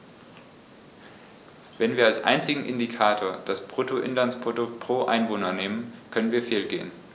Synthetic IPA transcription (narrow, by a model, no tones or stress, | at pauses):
vɛnviːɐalsʔa̰ɪnt͡sɪɡŋ̩ʔɪ̰ndikʰaːtʰoːɐd̥aspʁ̥otoʔɪnlanspʁ̥odʊktpʁ̥oːʔa̰ɪnvoːnɐneːmənkʰœnənviːɐfeːlɡeːən